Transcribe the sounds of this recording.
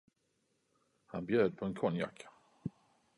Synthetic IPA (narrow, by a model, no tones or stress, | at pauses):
hanbjøːd̪̚pʰɔɛnkʰɔnja̰kː